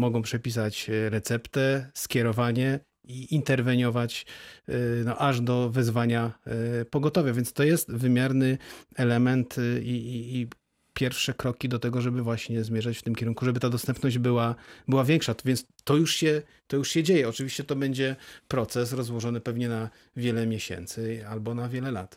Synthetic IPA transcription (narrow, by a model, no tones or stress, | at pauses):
mɔɡɔ̃w̃pʂɛpʲis̬at͡ɕɾɛt̪sɛpt̪ɛskʲjɛɾɔvaɲɛ | iint̪ɛɾvɛɲɔvat͡ɕ | nɔʔaʐd̪ɔvɛzvaɲapɔɡɔt̪ɔvʲjavʲjɛntst̪ɔjɛst̪vɘmʲjaɾnɘɛlɛmɛnt̪iiː | pʲjɛɾfʂɛkɾɔkʲid̪ɔt̪ɛɡɔʐɛbɘvwaɕɲɛzmʲjɛʐat͡ɕft̪ɘmkʲɛɾuŋkuʐɛbɘt̪ad̪ɔst̪ɛmpnɔʑd͡ʑbɘwabɘwavʲjɛŋkʂavʲjɛnt̪s | t̪ɔjuʂɕɛ | t̪ɔjuʂɕɛd͡ʑejɛɔt͡ʂɘviɕt͡ɕɛt̪ɔbɛɲd͡ʑɛpɾɔt̪sɛs̬ɾɔzwɔʐɔnɘpɛvɲɛna | vʲjɛlɛmʲjeɕɛ̰nt̪sɘalbɔnavʲjɛlɛla̰t̪